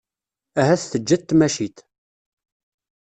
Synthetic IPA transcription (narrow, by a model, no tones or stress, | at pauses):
æɦæθθəd͡ʒːæt̪ːmæʃit̪